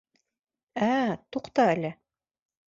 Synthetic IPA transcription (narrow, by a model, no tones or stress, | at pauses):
æt̪uqt̪ɑælɘ